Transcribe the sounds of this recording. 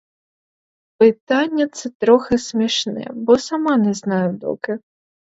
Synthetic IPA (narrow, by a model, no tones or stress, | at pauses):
pɨt̪anʲːɐt̪sɛt̪ɾɔxɛsʲmʲiʂnɛ̰bɔsamanɛznajʊd̪ɔ̰kɪ